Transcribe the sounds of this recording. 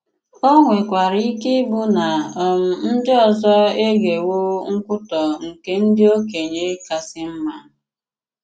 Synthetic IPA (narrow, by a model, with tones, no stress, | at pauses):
o˦ŋʷe˨kʷa˨ɾi˦i˦ke˦bʊ˦na˨ɔ˨m̩˨n̩˦dɪ˦ɔ˨zɔ˦e˦ɡe˨wo˦ŋ̩˦kʷʊ˦tɔ˨ŋ̩˨ke˦n̩˦dɪ˦o˦ke˨ɲe˦ka˨sɪ˦m̩˦ma˦˨